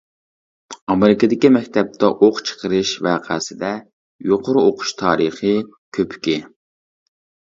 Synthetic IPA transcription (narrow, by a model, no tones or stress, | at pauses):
ɑmɪɾɪkɨd̪ɪkʲimɛkʲt̪ʰɛp̚t̪ʰɛʔoqt͡ʃʰə̥qʰəɾɨʃvæːqʰæsɪd̪ɛ | joqʰoɾʊoqʰʊ̥ʃt̪ʰɑːɾɨχɨ | kʲʰøpʰkʲɪ